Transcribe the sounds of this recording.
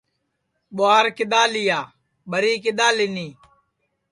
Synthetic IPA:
ɓoaːɾkɪɗ̪aːlijaː | ɓəɾiːkɪɗ̪aːlɪniː

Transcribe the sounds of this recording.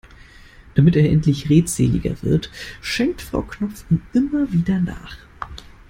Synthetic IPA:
d̥amɪteːɐʔɛntʰlɪçʁeːtz̥ḛːlɪ̰ɡɐ̰vɪ̰ɐtʃɛŋk̚tfʁ̥a̰ʊknɔp͡fiːnʔɪmɐviːdɐna̰ːχ

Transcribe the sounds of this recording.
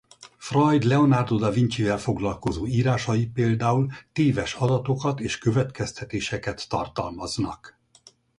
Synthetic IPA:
frɒjd̪lɛonard̪od̪ɒviɲt͡ʃivɛlfo̞ɡlɒlko̞zoːiːɾaːʃɒjipeːld̪aːult̪eːvɛʃɒd̪ɒt̪o̞kɒt̪eːʃkø̞vɛt̪kɛst̪ɛt̪eːʃɛkɛt̪ːɒ̰rt̪ɒlmɒznɒ̰k

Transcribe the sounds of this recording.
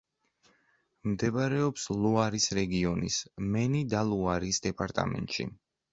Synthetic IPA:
md̪ɛbaɾɛɔpsluaɾisɾɛɡiɔnḭsmɛnid̪alˠuaɾisd̪ɛpʼaɾt̪ʼa̰mɛ̰nt̪ʃḭ

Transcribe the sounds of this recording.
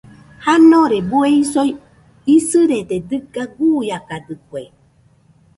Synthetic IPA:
hanoɾebueisoj | isɨɾet̪ed̪ɨɡaɡujakad̪ɨkwe

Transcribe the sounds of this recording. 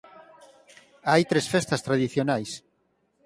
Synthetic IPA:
ajt̪ɾesfest̪ast̪ɾaðiθjonajs

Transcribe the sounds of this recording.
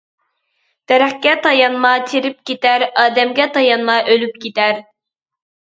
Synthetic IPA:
t̪ɛɾæχkʲɛt̪ʰɑjɑnmɑt̪ʰiɾip̚kʲet̪æɾɑːd̪ɛmɡʲɛt̪ʰɑjɑnmɑʔølyp̚kʲit̪æɾ

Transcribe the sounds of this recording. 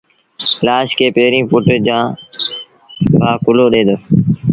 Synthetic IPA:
laːʃkeːpeːɾĩːpʊʈd͡ʑãː | baːkʊloːɗẽːd̪oː

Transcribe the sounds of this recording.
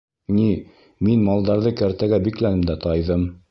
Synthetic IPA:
ni | minmɑlˠd̪ɑɾðɤkæɾt̪æɡæbiklænɘmd̪æt̪ɑjðɤm

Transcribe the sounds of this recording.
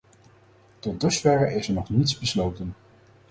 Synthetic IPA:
tɔt̚dəsfɛɹəʔɪsəɹnɔχnitsbəslowtən

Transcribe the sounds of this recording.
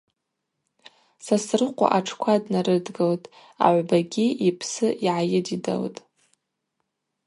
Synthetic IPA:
sasrɨqʷʼa̰ʔaʈ͡ʂʰkʷʰadnaɾɨdɡaltʼ | a̰ʕʷbaɡʲiipʰsɨʔiʕajɪdida̰ltʼ

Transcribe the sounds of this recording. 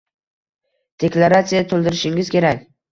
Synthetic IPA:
d̪̥e̞klˠaɾat̪sijat̪ʰolˠd̪ɪɾɪʃɪŋɪz̥kʲʰe̞ɾakʲ

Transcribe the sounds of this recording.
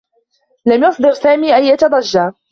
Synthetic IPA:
lamjɑsˤd̪ɨɾsaːmiːʔajjɑt̪ɑd̪ˤɑʒːaː

